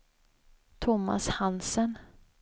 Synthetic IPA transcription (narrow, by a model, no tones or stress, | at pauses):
t̪ʰʊmːa̰shansən